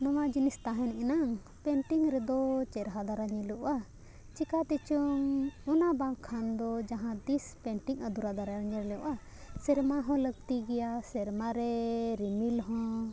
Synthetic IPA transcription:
nɔwad͡ʒinist̪aɦɛnɛnaŋ | pɛɳʈiŋɾɛd̪ɔt͡ʃɛɾɦad̪aɾaɲɛlɛʔʔa | t͡ʃikat̪ɛt͡ʃɔŋɔnabaŋkʰand̪ɔd͡ʒaɦãd̪ispɛɳʈiŋəd̪uɾad̪aɾaɾɲɛɾɛlɛʔa | sɛɾmaɦɔ̃ləɡ̚t̪iɡɛjasɛɾmaɾɛɾimilɦɔ̃

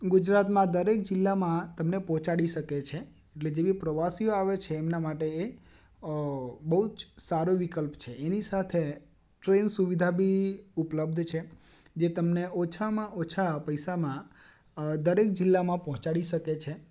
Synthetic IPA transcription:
ɡud͡ʒɾat̪mãd̪əɾek̚d͡ʒɪlːamãt̪əmnepɔɦɔ̃t͡ʃaɽiʃəket͡ʃʰeː | ʈled͡ʒeʋipɾəʋasijoaʋet͡ʃʰeːmnamaʈee | bəɦud͡ʒsaɾoʋikəlpt͡ʃʰeʔenisat̪ʰe | ʈɾensuʋid̪ʱabʱiupləb̚d̪ʱt͡ʃʰed͡ʒet̪əmneot͡ʃʰamãʔot͡ʃʰapəjsamã | d̪əɾek̚d͡ʒɪlːamãpɔɦɔ̃t͡ʃaɽiʃəket͡ʃʰe

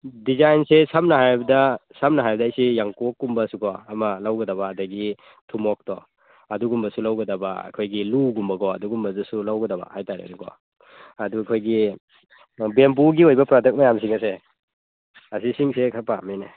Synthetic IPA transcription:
dizajnsesamnɐɦajbɐdɐsɐmnɐɦajbɐdɐːjsijaŋkokːumbɐsukɔɐmɐlawɡɐdɐβɐːdɐɡi | tʰumɔk̚tɔ | ɐduɡumbɐsulawɡɐdɐbɐ̰ɐ̰kʰojɡiluɡumbɐɡɔɐduɡumbɐzɐsulawɡɐdɐbɐ̰hajtaɾḛnuɡɔ̰ | ɐdukʰojɡi | bemp̬uɡiojbɐpɾadek̚majamsiŋɐse | ɐsisiŋsekʰɐɾpamine

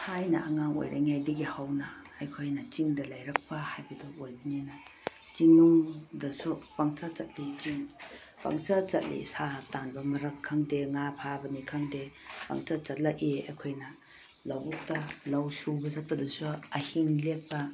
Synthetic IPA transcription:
hajnɐ̰ʔaŋaŋo̰jɾʔa̰ŋajdiɡihawnɐːjkʰojnɐt͡ʃiŋdɐlajɾɐk̚pɐhajbɐduojbɐnenɐ | t͡ʃiŋnoŋdɐsupaŋt͡ʃat͡ʃɐt̚lit͡ʃiŋ | pa̰ŋt͡ʃat͡ʃɐ̰t̚lḭsatanbɐmɐɾɐkʰːaŋdeŋapʰabɐnikʰaŋdepa̰ŋt͡ʃat͡ʃɐt̚laea̰jkʰojnɐ | lawbuk̚tɐlawsubɐzɐt̚pɐdɐsuɐhiŋlek̚pɐ

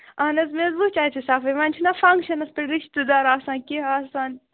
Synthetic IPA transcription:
ɐnɐzmezbut͡ʃaːt̪ʰisaːfɐʋanʲt͡ʃʰinafɐ̃ŋkʃɐnɐspɐɾiʃt̪ɨd̪aːɾaːsãːnkeaːsãːn

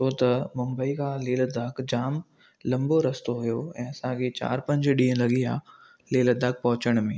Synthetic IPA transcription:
ot̪ɐmʊ̃mbəikʰãːleːld̪aːkd͡ʑaːm | lɐ̃mboɾɐst̪oɦjoɛ̃ːɐsãkʰet͡ɕa̰ːɾpɐ̃ɲd͡ʑɗĩːə̃lɐɡiaː | leːld̪aːk̚pɐɦʊt͡ɕəɽ̃mẽː

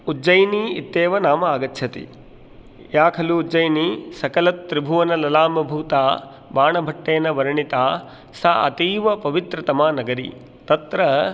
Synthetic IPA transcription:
ud͡ʒɐjniit̪ːeːʋɐnaːmɐaːɡɐtːʃʰɐt̪ḭ | jaːkʰɐluːd͡ʒɐjnisɐkɐlɐt̪ːɾibʱuʋɐnɐlɐlaːmɐbʱuːt̪aː | baːɳɐbʱɐʈːeːnɐʋɐɾɐɳit̪aː | saɐ̰t̪iːʋɐpɐʋit̪ɾɐt̪ɐmaːnɐɡɐɾḭ | t̪ɐt̪ɾɐ

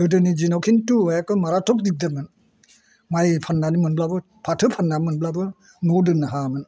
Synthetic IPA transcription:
ɯdɯnid͡ʒinɔwkʰintujakɯmaɾatʰɔk̚dik̚dɯŋɯn | majpʰanːanimɯnblabɯ | pʰatʰɯpʰanːamɯnblabɯ | nɔdɯnaɦamɯn

